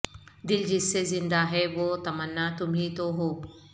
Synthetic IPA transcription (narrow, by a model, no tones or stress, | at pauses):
d̪ɪld͡ʒɪsːezɪ̃nd̪aɦɛʋot̪ɐmɐnːat̪ʊmɦĩt̪oɦoː